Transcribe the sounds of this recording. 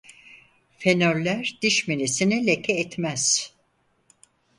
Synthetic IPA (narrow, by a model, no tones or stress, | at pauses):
fenøɾlʲæɾd̪̥iʃminisinilʲekʰɛːt̪mæz̥